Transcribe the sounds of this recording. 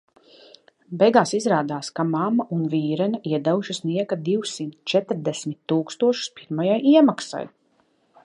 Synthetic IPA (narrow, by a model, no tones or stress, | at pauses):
bɛjɡaːsizɾaːd̪aːskamamaʔunviːɾɛnaʔiɛd̪ɛwuʃisniɛkad̪iwsimt̪t͡ʃɛt̪ɾd̪ɛsmʲit̪ːuːkst̪uɔʃu̥spiɾmajajʔiɛmaksa̰j